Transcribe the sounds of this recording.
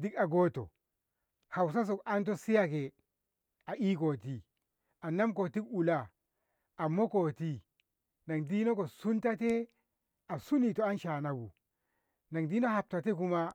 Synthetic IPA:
di˦ka˨ɡo˦to̰˨ | ha˨ws̬a˦s̬o˨ka˦nt̬o˦si˦ja˦˨ke˨ | a˨ʔi˦ko˨ti˨ | a˨na˦mko˨ti˦ku˨laː˨ | mo˦ko˨ti˦ | na˨ŋdi˦no˦ko˨su˦nta˦te˦ | a˨su˦ni˨to˨a˦nʃa˨na˨bṵ˨ | na˨ŋdi˦no˦ha˨p̚ta˨te˦k̬u˦ma˦

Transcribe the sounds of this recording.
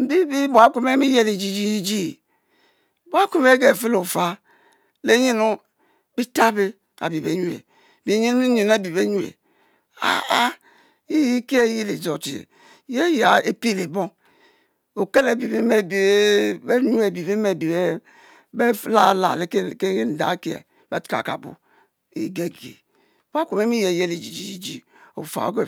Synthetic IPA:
m̩˨bi˦bi˦bo˨a˦ku˦me˦mi˦je˦li˨d͡ʒi˦d͡ʒi˦d͡ʒi˦˨ | bo˨a˦ku˦me˦ɡe˨fi˦lo˨fa˦ | le˦ɲi˦nu˦ | bi˦ta˦be˦ | a̰˨bi˨bḛ˨ɲu˨ḛ˨ | bi˨˦ɲi˦n˦ɲi˨na˦˨bi˨be˦ɲu˦˨ḛ˨ | a̰˨a˦ | i˦ji˦ke˦e˦ji˦li˨zo˨tḭ˨ | je˦ja˨e˦pi˦˨le˨bo˦ŋ | o˨ke˦le˨bi˨be˦me˦bi˨˦be˦ɲu˦e˨bi˨be˦me˨bi˨be˦ | be˦la˦˨la̰˨le˨˦kke˦n̩˨da̰˨˦ki˦ḛ˨ | be˦tka̰˨ka̰˨bṵ˨ | ḭ˨ɡe˦ɡḛ˨˦ | ba˦kʷo˨me˦mi˦je˨je˦le˨d͡ʒi˨d͡ʒi˨d͡ʒi˨d͡ʒi˨ | o̰˨fa̰˨o̰˦ke˦

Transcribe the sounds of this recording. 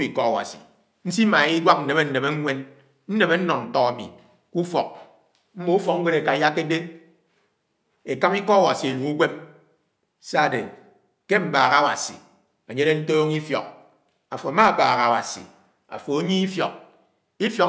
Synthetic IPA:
i˨kɔ˦a˨wa̰˨sḭ˨ | n̩˦si˦ma˨˦i˦ɡʷa˦k̚n̩˨ne˨me˦n̩˨ne˨me˦ŋ˦ŋʷe˦n | n̩˦ne˨me˦n̩˦nɔ˨nn̩˨tɔ˦ɣa˨mḭ˨ | ku˦fɔ˨k̚ | m̩˦mo˦u˦fɔ˨˦ŋ̩˦ɡe˦ɾe˨ka˨˦ja˦kːe˦de˦ | e˨ka˦mi˦kɔ˦a˦˨wa˨si˨e˨lu˨ku˦ɡʷe˦m | sa˦˨de˨ | ke˦m̩˦baː˨ɣa˦˨wa̰˨sḭ˨ | e˨ɲe˦de˦n̩˦toː˦ŋi˦fjɔ̰˨k̚ | a˨fo˨a˨ma˦˨baː˨ɣa˨wa̰˨sḭ˨ | a̰˨fo˨o˦ɲi˦i˦fjɔ˨k̚ | i˦fjɔ˨k

